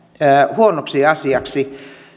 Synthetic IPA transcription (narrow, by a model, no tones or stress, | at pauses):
huonoksiɑsiɑksi